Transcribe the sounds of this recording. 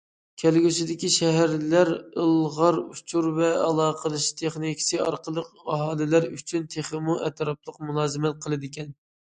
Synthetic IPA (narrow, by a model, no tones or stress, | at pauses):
kʲʰælɡʲysɪd̪ɪkʲiʃɛɦæɾlæɾəlˠʁɑɾut͡ʃʰuɾvɛɑlˠɑːqʰəlˠɨʃt̪ʰeχnikʲi̥sɨɑ̰ɾqəlˠəqɑɦɑːlˠɪlæɾyt͡ʃʰynt̪ʰeχəmuʔɛt̪ɾɑplˠəqmulˠɑːzɨmɛt̪̚qʰəlˠɨd̪ɪkʲɛn